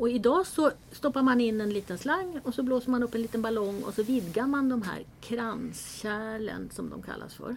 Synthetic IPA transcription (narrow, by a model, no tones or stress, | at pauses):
ɔɪd̪ɑːsɔst̪ɔpːaɾmanɪnːɛnliːt̪ənslaŋːɔsɔbloːsəɾmanɵpːɛnliːt̪ənbalɔŋːɔ̰sɔvɪd̪ɡaɾmand̪ɔmɦæ̰ːɾkʰɾansɕæːlə̰nsɔmd̪ɔ̰mkʰa̰lːa̰sfœ̰ɾ